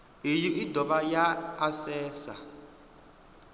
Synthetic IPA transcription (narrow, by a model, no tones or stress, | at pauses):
ijiʔidʱɔβajaːsɛːsa̰